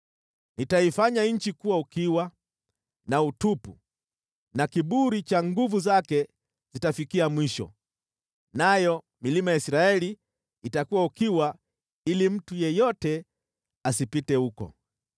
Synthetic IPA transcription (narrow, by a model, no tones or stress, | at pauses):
nitaifaɲaɲ̩t͡ʃikuwaukiwa | nautupṵ | nakiɓuɾit͡ʃaŋɡuvuzakɛ | zitafikiamwiʃɔ̰ | najɔ | milimajaisɾaɛliː | takuwaukiwa | ilim̩tujɛjɔtɛ | asipitɛukɔ̰